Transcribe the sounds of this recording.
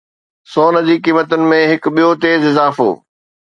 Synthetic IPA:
sɔːnɐd͡ʑiːkiːmət̪ʊnɪ̆mẽɦɪk̆ɓijot̪eːzɪzaːfo̰ː

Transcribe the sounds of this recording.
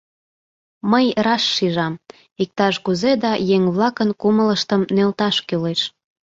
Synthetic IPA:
məjrɑʃːiʒɑm | ik̚t̪ɑʃkuzed̪ɑjeŋβlɑkənkumələʃt̪əmnelt̪ɑʃkyleʃ

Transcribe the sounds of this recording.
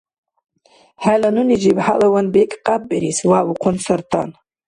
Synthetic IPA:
halanunid͡ʒibħalawanbekʼqʼab̚ʼːeɾiswawuqʷʰʊnsart̪ʰa̰n

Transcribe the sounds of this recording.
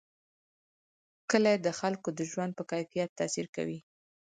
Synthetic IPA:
kəlajed̪əxalkod̪əʒwand̪̚pəkajfijat̪ːɑsiɾka̰wi

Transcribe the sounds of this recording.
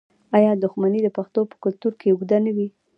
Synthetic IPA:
ɑjɑd̪ʊxmanid̪əpaxt̪opə̥kʊlt̪uɾkeʊɡd̪anawi

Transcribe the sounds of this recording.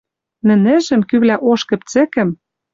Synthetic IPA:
nɘ̆nɘ̆ʒɘ̆mkyβlæʔoʃkɘ̆p̚t͡sɘ̆kɘ̆m

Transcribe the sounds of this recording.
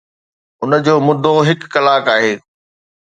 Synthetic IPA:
ʊnəd͡ʑoːmʊd̪ʱoɦɪkːɐlaːkaːɦeː

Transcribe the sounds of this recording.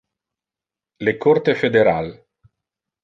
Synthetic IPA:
lekort̪efed̪eɾal

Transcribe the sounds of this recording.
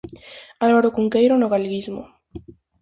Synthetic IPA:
alβaɾokuŋkejɾonoɣalɡismo̰

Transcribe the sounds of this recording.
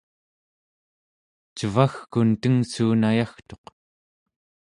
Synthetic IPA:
t͡ʃəvaxkunt̪əŋsuːnajaxt̪o̞q

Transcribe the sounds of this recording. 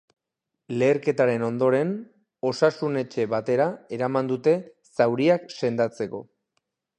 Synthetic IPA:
le̞ːɾke̞t̪aɾe̞no̞nd̪o̞ɾe̞n | o̞sasune̞t͡ʃe̞βat̪e̞ɾae̞ɾamand̪ut̪e̞ | sawɾiakse̞nd̪at͡se̞ko̞̰

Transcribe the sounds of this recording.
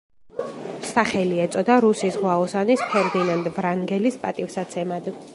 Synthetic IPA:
saχɛliɛt̪sʼɔd̪aɾusisʁwaɔsanispʰɛɾd̪inand̪vɾaŋɡɛlispʼat̪ʼifsat̪sʰɛmad̪

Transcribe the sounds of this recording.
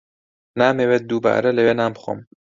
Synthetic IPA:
naːmewet̪̚d̪uba̰ːɾɛleweːnaːmbxo̰m

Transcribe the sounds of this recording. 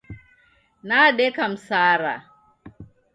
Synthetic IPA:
naːɗɛkamsaːɾa̰

